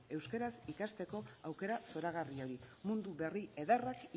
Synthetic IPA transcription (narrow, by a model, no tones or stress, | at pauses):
e̞wskeɾasikast̪e̞ko̞awke̞ɾaso̞ɾaɣ̞ario̞ɾimund̪uβe̞rie̞ðarak